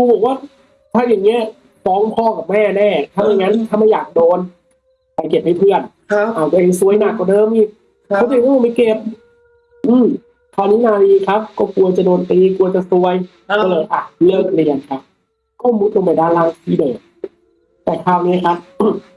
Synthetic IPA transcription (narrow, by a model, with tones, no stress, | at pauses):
uː˧˩boː˨˩k̚waː˥˩ | t̪ʰaː˧˩jaː˨˩ŋːi˦˥ɐ˦ | fɔː˨˦ŋpʰɔː˧˩ka˨˩p̚mɛː˥˩nɛː˧˩t̪ʰa˧˥˨ma˨˧˩ŋa˦˥n˧t̪ʰa˧ma˥˩jaː˨˩k̚doː˧n | pa˨˩jke˨˩p̚ha˥˩pʰɯ˥˩ən˧ | ʔaː˨˩wt̪ːʔeː˧ŋsu˧˥əjna˨˩kːɔ˧˩dɤː˧mʔiː˧˩k̚ʰ | ɔ˧˦t̪ʰɯ˨˩˦kaː˧˥˨a˧˩mi˧ke˨˩p̚ | ʔɯː˧˩m | k̪ʰaː˧˩niː˦˥naː˧ɾiː˧kʰa˦˥p̚kɔː˥˩ku˧ɐt͡ɕa˨˩doː˧nt̪iː˧ku˧ɐt͡ɕa˨˩su˧əj | ɔ˧lɤː˧˩ʔaː˨˩˧lɤː˥˩k̚li˧˨nkʰa˦˥p̚ | kɔː˥˩˧mu˦˥t̪̚lo˧ŋpa˨˩jdaː˧˥˩nlaː˧˩ŋsiː˧˩dɤː˨˩ | t̪ɛː˨˩kʰaː˧˩wniː˦˥˨kʰa˦˥p̚